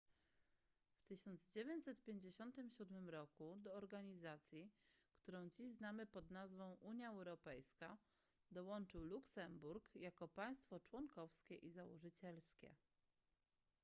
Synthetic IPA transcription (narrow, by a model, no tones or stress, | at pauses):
ft̪ɘɕɔnd̪zd͡ʑevʲjeɲt͡ɕʲsɛt̪pʲjeɲd͡ʑeɕɔnt̪ɘmɕud̪mɘmɾɔkud̪ɔːɾɡaɲizat̪sʲjikt̪uɾɔ̃w̃d͡ʑiʑznamɘpɔd̪nazvɔ̃w̃ʔuɲjaɛwɾɔpɛjska | d̪ɔwɔnt͡ʂɘwluksɛmbuɾkjakɔpaj̃st̪fɔt͡ʂwɔŋkɔfskʲɛʔizawɔ̰ʐɘt͡ɕɛlskʲɛ̰